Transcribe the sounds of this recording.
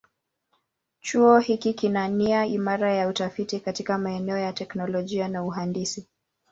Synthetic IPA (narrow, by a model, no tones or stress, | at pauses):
t͡ʃuɔhikikinaniaimaɾajautafitikatikamaɛnɛɔjatɛknɔlɔʄianauɦandisi